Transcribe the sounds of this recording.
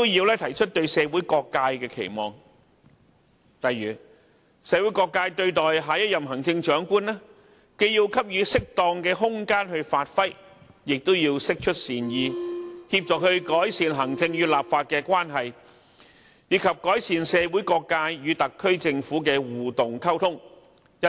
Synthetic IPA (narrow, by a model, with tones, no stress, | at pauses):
t̪o˥wjiː˧wlɛː˥t̪ʰɐ˨˩jt͡ʃʰɵ˥t̚t̪ɵ˧ɥsɛː˨˧wu˨˥jkɔː˧kːaː˧jkɛː˧kʰḛ˨˩jmɔː˨˩ŋ | t̪ɐ˨jɥyː˨˩ | sɛː˨˧wuː˨˥jkɔː˧kːaː˧jt̪ɵ˧ɥt̪ɔː˨˩jɦaː˨˧jɐ˥t̚jɐ˨mɦɐ˨˩ŋt͡sɪ˧ŋt͡ʃœː˨˥ŋkuː˥nlɛː˥ | ke˧jiː˧wkʰɐ˥p̚jyː˨˧sɪ˥k̚t̪ɔː˧ŋkɛː˧ɦʊ˥ŋkaː˥nhɵ˧ɥfaː˧t̚fɐ˥j | jɪ˨k̚t̪o˥wjiː˧wsɪ˥k̚t͡ʃʰɵ˥t̚siː˨˩njiː˨˧hi˧p̚t͡ʃɔː˨k̚hɵ˧ɥkɔː˨˥jsiː˨nɦɐ˨˩ŋt͡sɪ˧ŋjyː˨˧t̚laː˨p̚faː˧t̚kɛː˧kwaː˥nɦɐ˨j | jiː˨˧˥kʰɐ˨p̚kɔː˨˥jsiː˨nsɛː˨˧wu˨˥jkɔː˧kːaː˧jjyː˨˧t̪ɐ˨kʰːɵ˥ɥt͡sɪ˧ŋfuː˨˥kɛː˧wuː˨˩t̪ʊ˨ŋkʰɐ˥wt̪ʰʊ˥ŋ | jɐ˥